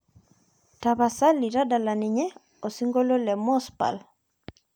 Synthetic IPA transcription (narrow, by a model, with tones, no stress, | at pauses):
ta˨βa˨sa˦lːi˨ɾa˦da˨la˨ni˨ɲɛ˦ | o˨si˦ŋɡo˦lo˦lɛ˨mɔ˦spa̰˨l